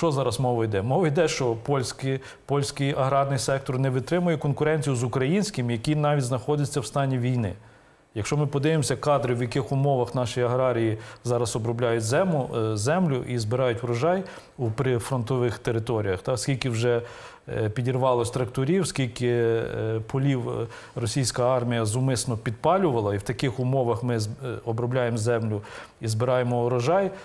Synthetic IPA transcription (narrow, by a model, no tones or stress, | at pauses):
ʃt͡ʃɔzɑɾɐsmɔʋɔjd̪ɛmɔʋɔjd̪ɛʃt͡ʃɔpɔlʲsʲkɪ | pɔlʲsʲkɪjɐɦɾɑrnɪjsɛk̚t̪ɔrnɛʋɪt̪ɾɪmʊjɛkɔnkʊɾɛnʲt͡sʲijʊzʊkɾɐjinʲsʲkɪmjɐkʲinɑʋʲitʲznɐxɔd̪ʲɪt͡sʲːɐwst̪ɑnʲiʋʲijnɪ̰ | jɐkʃt͡ʃɔmɪpɔd̪ɪʋɪmsʲɐkɑd̪ɾɪwjɐkɪxʊmɔʋɐxnɑʃjiɐɦɾɑɾʲijizɑɾɐsɔbɾɔblʲajʊtʲzɛmʊzɛmlʲʊ̰ʔizbɪɾɑjʊtʲʊɾɔʒɑj | upɾɪfɾɔnt̪ɔʋɪxt̪eɾɪt̪ɔɾʲijɐxt̪ɑskʲilʲkɪwʒɛ | pʲidʲirʋɑlˠɐsʲt̪ɾɐk̚t̪ʊɾʲiwskʲilʲkɪ | pɔlʲiw | rɔsʲijsʲkɐɑrmʲijɐzʊmɪsnɔpʲid̪̚pɑlʲʊʋɐlˠɐiwt̪ɐkɪxʊmɔʋɐxmɪɔbɾɔblʲajemzɛmlʲʊ | izbɪɾɑjemɔɾɔʒɑj